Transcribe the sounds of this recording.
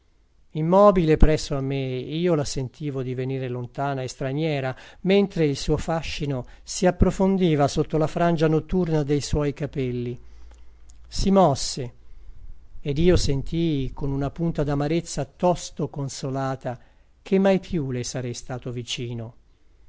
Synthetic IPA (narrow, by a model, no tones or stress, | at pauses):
imːɔːbilepɾɛsːoamːeiːolasent̪ʰiːvod̪iveniːɾelont̪aːnaest̪ɾanjɛːɾament̪ɾeilsuːofaʃːino | siapːɾofond̪iːvasot̪ːolafɾand͡ʒanot̪ːurnad̪ejswɔjkapɛlːi | simɔsːe | ed̪iːosent̪ʰikonunapunt̪ad̪amaɾet̪sːat̪ɔst̪okonsolaːt̪a | k̟ʰemːajpʰjulesaɾɛjst̪aːt̪ovit͡ʃiːno